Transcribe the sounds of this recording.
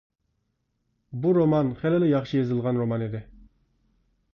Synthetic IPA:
buɾomɑnχælɪlɪjɑχʃɨjezɨlˠʁɑnɾomɑnid̪ɪ

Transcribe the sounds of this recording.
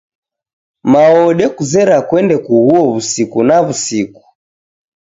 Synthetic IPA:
maɔɗɛkuzɛɾakwɛndɛkuɣuɔβusikunaβusiku̥

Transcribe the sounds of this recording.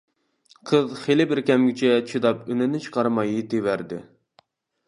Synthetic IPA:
qʰəzχelɪbɪɾkʲɛmɡʲɪt͡ʃʰɛt͡ʃʰid̪ɑpynɪnɪt͡ʃʰɨ̥qʰɑɾmɑjit̪ʰewæɾd̪ɪ̰

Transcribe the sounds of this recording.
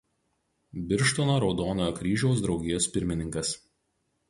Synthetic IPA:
bʲɪɾʃt̪onoɾɒʊd̪oːnojoːkɾʲiːʒʲɛʊs̬d̪ɾɒʊɡʲɪjoːspʲɪɾʲmʲɪnʲɪŋkɐs

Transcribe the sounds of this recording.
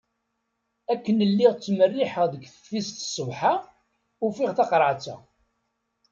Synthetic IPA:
ækːənəlːiʁt͡sːmərːiħəʁðəɡθə̥fːist̪sˤəvħa | ʊfiʁθɑqɾˤəʕt͡sːæ̰

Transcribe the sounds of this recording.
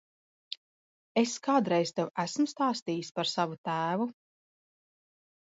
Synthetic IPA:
eskaːd̪ɾɛjz̥t̪ewæsmst̪aːst̪iːjispaɾsavut̪æːvu

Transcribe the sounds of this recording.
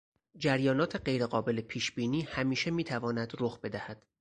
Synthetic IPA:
d͡ʒæɾjɒːnɒːt̪ʰeɢe̞jɾe̞ɢɒːbe̞lepʰiːʃbiːniːhæmiːʃe̞miːt̪ʰævɒːnæd̪roxbe̞d̪æhæd̪̥

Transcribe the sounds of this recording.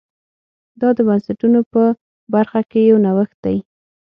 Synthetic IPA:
d̪ɑd̪əbansaʈunopə | baɾxakejawnawəxt̪̚d̪aj

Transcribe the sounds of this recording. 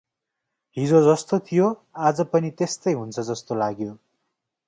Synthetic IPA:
ɦid͡zod͡zʌst̪ot̪ʰijoad͡zʌpʌnit̪est̪ʌjɦunt͡sʰʌd͡zʌst̪olaɡjo

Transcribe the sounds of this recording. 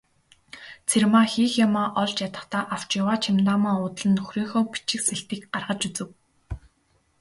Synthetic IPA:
t͡sʰermaːxiːxjamaːʔɔɮt͡ɕjat̪ə̥̆χt̪aːʔaw̥t͡ɕjʊwaːt͡ɕʰimt̪aːmaːʊːt̪̆ɮɘ̆nxuɾʲiːŋxoːpi̥t͡ɕɪ̆kseɬt̪iːkɢarʁə̆t͡ɕut͡sɘ̆w

